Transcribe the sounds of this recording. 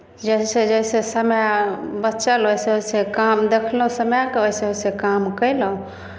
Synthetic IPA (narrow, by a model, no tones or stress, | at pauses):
d͡ʒəsed͡ʒəjsesəmjabətːʃəlojseoisekamd̪ekʰlũsəmjakeoiseosekamkəɪləũ